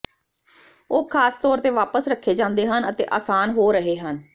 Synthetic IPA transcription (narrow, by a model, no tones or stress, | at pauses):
oːkʰaːst̪ɔːɾt̪eːʋaːpəsɾəkʰːeːd͡ʒãːnd̪eːɦənət̪ḛːʔaːsaːnɦoːɾəɦeːɦən